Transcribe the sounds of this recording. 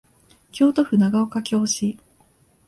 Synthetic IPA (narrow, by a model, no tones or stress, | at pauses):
kʲo̞ːt̪o̞ɸɯ̟naɡao̞kakʲo̞ːɕi